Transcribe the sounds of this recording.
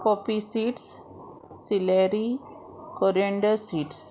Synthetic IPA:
kopisiːʈs | sileɾi | koɾieɳɖɐsiːʈs

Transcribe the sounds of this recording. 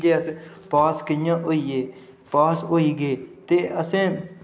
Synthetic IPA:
d͡ʒeːəsẽ | paːskəjãːʔoːiːeː | paːsoːiːɡəeːt̪eːʔəsẽː

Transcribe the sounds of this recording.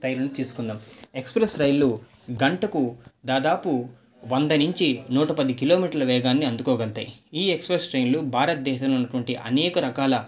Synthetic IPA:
ɾɐjlɐnut̪iːsu̥kund̪aːme̞kspɾesɾɐjllːu | ɡɐɳʈɐkud̪aːd̪aːpu | ʋɐnd̪ɐnuɲt͡ʃinuːʈɐpɐd̪ikiloːmiːʈɐɾlɐʋɛːɡaːnːiɐnd̪ukoːɡɛɭt̪a̰ːjiiːekspɾesɾɐjnlubʱaːɾɐt̪̚d̪ɛːʃɐmlunːɐʈuʋɐɳʈiʔɐ̰nɛːkɐɾɐkaːlɐ

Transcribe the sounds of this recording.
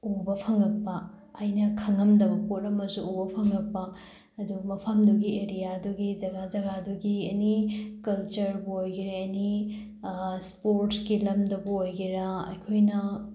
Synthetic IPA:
ubɐpʰɐŋɐk̚pɐː | jnɐkʰɐŋɐmdɐbɐpotɾɐmɐzuubɐpʰɐŋɐk̚pɐː | dumɐpʰɐmduɡieɾijaduɡid͡ʒɐɡazɐɡaduɡienikɐlt͡ʃɐɾbuojɡiɾeeni | spoɾʈskilɐmdɐbuojɡiɾaɐ̰jkʰojnɐ

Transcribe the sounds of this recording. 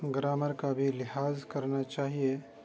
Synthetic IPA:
ɡɾaːməɾkabʱilɪhaːzkɐɾnat͡ʃaːɦie

